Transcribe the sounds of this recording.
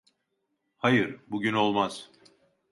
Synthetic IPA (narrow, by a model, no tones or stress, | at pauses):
hajɯɾbuɟyno̞lˠmaz̥